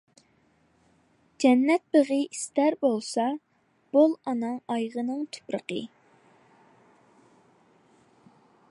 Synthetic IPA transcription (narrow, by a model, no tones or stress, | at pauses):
d͡ʒɛnːɛt̪̚beʁɨist̪æɾbolˠsɑ | b̥olˠɑnɑŋɑjʁənɨŋt̪ʰy̥pɾə̰qə̰